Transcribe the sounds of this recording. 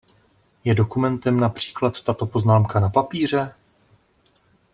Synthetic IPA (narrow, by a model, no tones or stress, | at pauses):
jɛdo̞kumɛnt̪ɛmnapr̝̥i̥ːklat̪ːat̪o̞po̞znaːmkanapapiːr̝ɛ